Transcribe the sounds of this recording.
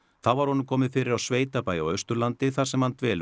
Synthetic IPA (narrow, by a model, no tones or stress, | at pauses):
θawvaɾ̥hɔnʏmkʰɔːmɪðfɪːɾɪɾawsveːjt̪apaːja̰wœɥst̪ʏɾlant̪ɪθaɾ̥sɛmhant̪vɛːl